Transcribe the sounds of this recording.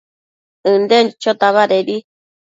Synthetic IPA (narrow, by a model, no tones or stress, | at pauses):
ɨ̃nd̪et͡ʃot̪aβaɾeɾi